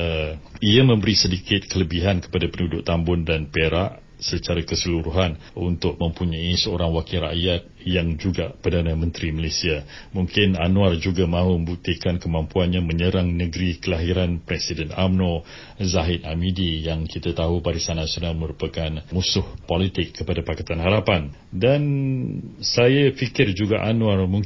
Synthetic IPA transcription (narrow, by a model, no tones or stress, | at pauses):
əiamə̃mbəɾisədikɪt̪̚kələbiɦankə̥padapənudʊʔt̪ambʊndanpeɾaʔ | sət͡ʃaɾakəsəluɾuɦanunt̪ʊk̚mə̃mpuɲaisəoɾaŋwakiɾa̰ʔjat̪̚jaŋd͡ʒuɡapərdanamə̃nt̪ɾiməlesia | muŋkɪnanũard͡ʒuɡamãɦuməbuk̚t̪ikankəmampuanɲaməɲəɾaŋnəɡɾikəlaɦiɾanpɾɛsidəna̰mnõ | zaɦɪt̪̚amidijaŋkit̪at̪aɦubaɾisanːasionalməɾupakanmusʊhpolit̪ɪkʰːəpadapakat̪anɦaɾapan | dan | sajafikɪrd͡ʒuɡaʔanuarmuŋ